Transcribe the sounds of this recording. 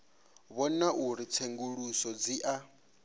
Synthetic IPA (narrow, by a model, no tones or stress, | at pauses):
βɔnaʔuɾit͡sʰeŋɡuɺusɔd͡ziʔa